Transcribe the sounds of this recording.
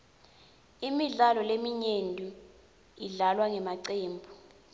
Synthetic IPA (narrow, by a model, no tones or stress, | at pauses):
imiɮalɔlemiɲendʱu | iɮalwaŋɛmaǀeːmbʱu